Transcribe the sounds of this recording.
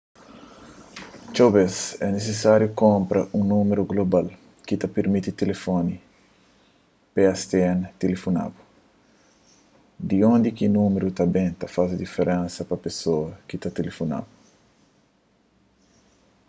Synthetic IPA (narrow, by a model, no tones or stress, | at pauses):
t͡ʃowbesɛnesesaɾjokõmpɾʔɐʔũnũmeɾuɡlobal | kit̪ɐpeɾmit̪it̪elefoni | peast̪eɛnt̪elefona̰bu | d̪iõnd̪ikinũmeɾut̪ɐbẽt̪ɐfasɐd̪ifeɾẽnsɐpɐpesoɐkit̪at̪elefona̰bu